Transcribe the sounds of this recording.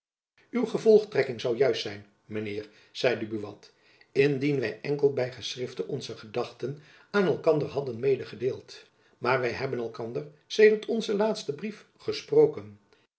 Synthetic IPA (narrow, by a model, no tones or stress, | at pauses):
ywχəvɔlˠχtrɛkɪŋzɑwjœɥstsɛjn | mənɪːɹ | z̥ɛjdəbyʋɑ̰t | ɪndinʋɛjʔɛŋkəlˠbɛjχəsrɪftənʔɔnzəχədɑχtən | aːnɛlˠkɑndərɦɑdənmejdəχədeːlˠt | maːɹʋɛjɦɛbənɛlˠkɑndər | sejdəɹtʰɔnzəlaːtstəbrif | χəsprowkən